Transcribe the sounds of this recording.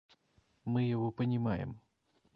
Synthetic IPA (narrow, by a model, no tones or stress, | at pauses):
mɨjɐvɔpənʲɪmajɪ̰m